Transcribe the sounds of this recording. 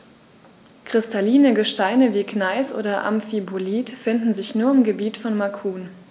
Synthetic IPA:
kʁ̥ɪstʰaliːnəɡəʃtaɪnəviːknaɪsʔo̰ːdɐʔa̰mfiboliːtfɪndn̩zɪçnuːɐɪmɡəbiːtfɔnmakʰuːn

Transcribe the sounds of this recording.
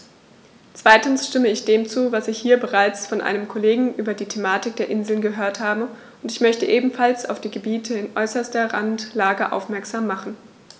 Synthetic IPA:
t͡sv̥aɪtn̩sʃtɪməɪçd̥eːmt͡suːvasɪçhiːɐbəʁaɪt͡sfɔnʔa̰ɪnəmkʰɔleːɡŋ̩ʔyːbɐdiːtʰemaːtɪk̚d̥eːɐʔɪnzl̩nɡəɦøːɐthaːbə | ʊntɪçmœçtəʔeːbm̩falsa̰ʊfd̥iːɡəbiːtʰəɪnʔɔ̰ʏsɐstɐʁa̰ntlaːɡəʔa̰ʊfmɛɐkz̥aːmːaχn̩

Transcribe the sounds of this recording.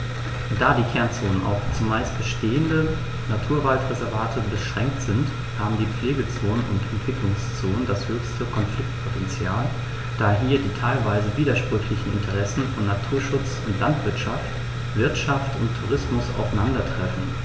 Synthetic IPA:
d̥aːdiːkʰɛɐnt͡soːnənʔa̰ʊxt͡sʊmːaɪst̚b̥əʃteːəndə | natʰuːɐvaltʁɛzɛɐvaːtʰəbəʃʁ̥ɛŋk̚tz̥ɪnt | haːbm̩diːp͡fleːɡət͡soːnənʊ̰ntɛntv̥ɪklʊŋst͡soːnəndashøːçstəkʰɔnflɪk̚tpʰotʰɛnt͡sjaːl | d̥aːɦiːɐdiːtʰaɪlvaɪzəviːdɐʃpʁ̥ʏçlɪçn̩ɪ̰ntʰəʁɛsn̩fɔnːatʰuːɐʃʊt͡sʊntlantv̥ɪɐtʃaft | v̥ɪɐtʃaftʊntʰːuʁɪsmʊsa̰ʊfaɪnandɐtʁ̥ɛfn̩

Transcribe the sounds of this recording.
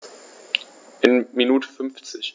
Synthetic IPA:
ʔɪnminuːtʰə̥fʏnft͡sɪç

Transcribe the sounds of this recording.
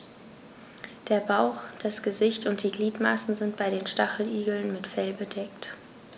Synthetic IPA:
d̥eːɐbaʊxd̥asɡ̥əzɪçtʊnt̚d̥iːɡliːtmasn̩zɪntb̥aɪɾdeːnʃtaχl̩ʔiːɡl̩nmɪtfɛlbədɛkt

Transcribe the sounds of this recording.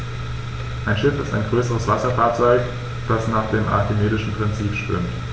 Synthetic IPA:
ʔaɪnʃɪfɪstaɪnɡʁøːsəʁəsv̥asɐfaːɐt͡sɔʏk | d̥asnaːχd̥eːmʔa̰ɐtemeːdɪʃn̩pʁ̥ɪnt͡siːpʃtv̥ʏ̰mt

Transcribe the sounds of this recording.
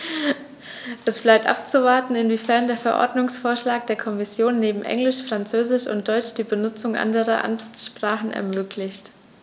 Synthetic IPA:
ʔɛsb̥laɪp̚tʔa̰p̚t͡suvaɐtn̩ɪnviːfɛɐndeːɐfɛɐʔɔ̰ɐdnʊŋsfoːɐʃlaːk̚d̥eːɐkʰɔmɪsjoːnːeːbm̩ʔɛ̰ŋlɪʃfʁ̥ant͡søːzɪʃʊ̰nt̚d̥ɔʏt͡ʃd̥iːbənʊt͡sʊŋʔa̰ndəʁɐʔa̰nʃpʁ̥aːχn̩ɛ̰ɐmøːkʰlɪçt

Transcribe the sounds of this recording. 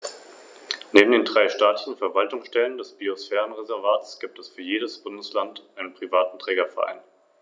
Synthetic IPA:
neːbm̩deːndʁaɪʃtaːtlɪçn̩fɛɐvaltʊŋsʃtɛləndɛsb̥iosfɛːʁənʁezɛɐvaːtsɡ̥iːp̚tɛsfyːɐjeːɾəsb̥ʊndəslantʔaɪnənpʁ̥ivaːtn̩tʁ̥ɛːɡɐfɛɐʔa̰ɪn

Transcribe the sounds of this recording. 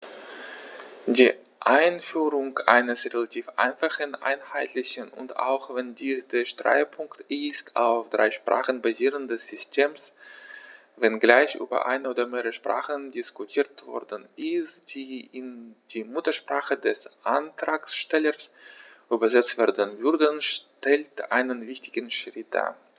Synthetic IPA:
d̥iː | ʔaɪnfyːʁʊŋʔa̰ɪnəsʁelatʰiːfʔa̰ɪnfaχənʔa̰ɪnhaɪtʰlɪçənʊ̰nta̰ʊxv̥ɛndiːsd̥eːɐʃtʁ̥a̰ɪpʰʊŋktɪstʰa̰ʊfd̥ʁa̰ɪʃpʁ̥a̰ːχənbaziːʁəndɛsz̥ʏstʰeːms | vɛnɡlaɪçʔy̰ːbɐ̰ʔa̰ɪnəoːdɐmeːʁəəʃpʁ̥a̰ːχəndɪskutʰiːɐtv̥ɔ̰ʁdn̩ʔɪstd̥iːʔɪnd̥iːmʊtɐʃpʁ̥aːχədɛsʔantʁ̥aːksʃtɛləsʔyːbɐzɛt͡stv̥ɛɐdənvʏʁdənʃtɛltʔaɪnənvɪçtɪɡənʃʁ̥ɪt̚d̥a̰ːɐ

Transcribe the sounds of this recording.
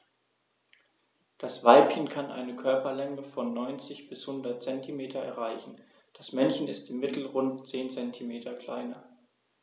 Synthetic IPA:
d̥asv̥aɪpçənkʰanʔa̰ɪnəkʰœɐpɐlɛŋəfɔnːɔʏnt͡sɪçb̥ɪshʊndɐt̚t͡sɛntʰimeːtʰɐɛ̰ɐʁaɪçn̩ | d̥asmɛnçən̩ɪstɪmːɪtʰl̩ʁʊntt͡seːnt͡sɛntʰimeːtʰɐkl̥aɪnɐ

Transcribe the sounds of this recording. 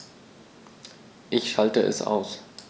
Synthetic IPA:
ʔɪçʃaltəʔɛ̰sʔa̰ʊs

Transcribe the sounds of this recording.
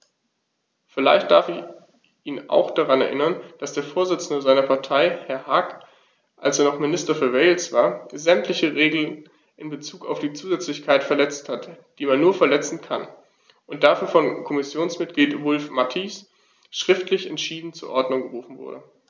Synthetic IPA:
fɪla̰ɪçt̚d̥aɐfɪç | ʔiːna̰ʊxd̥aʁanɛɐʔɪ̰nɐnd̥asd̥eːɐfoːɐzɪt͡sn̩dəzaɪnɐpʰaɐtʰaɪhɛɐhaːk | ʔalseːɐnɔχmɪnɪstɐfyːɐvɛːlsv̥aːɐzɛmtʰlɪçəʁeːɡl̩n | ʔɪnbət͡suːka̰ʊfd̥iːt͡suːzɛt͡slɪçkʰaɪtfɛɐlɛt͡sthatd̥iːmanːuːɐfɛɐlɛt͡sn̩kʰa̰n | ʔʊnt̚d̥aɐfyːɐfɔnkʰɔmɪsjoːnsmɪt̚ɡ̥liːtvʊlfmatʰis | ʃʁ̥ɪftʰlɪçɛntʃiːdn̩t͡suːɐʔɔɐdnʊŋɡəʁuːfn̩vʊ̰ɐdə

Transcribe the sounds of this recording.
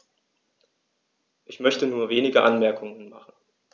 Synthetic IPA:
ʔɪçmœçtənuːɐveːnɪɡəʔanmɛɐkʰʊŋənma̰χn̩

